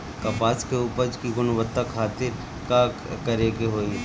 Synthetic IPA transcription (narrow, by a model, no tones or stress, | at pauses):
kɐpaːskeuːpəɾd͡ʒkiɡʊnʊʋət̪ːakʰaːt̪ɪɾ | kakɐɾekeɦoːi